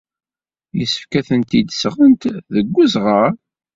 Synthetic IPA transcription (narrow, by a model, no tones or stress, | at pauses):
jəsə̥fkæθənt̪id̪sʁənt̪ðəɡʷːuzʁəɾ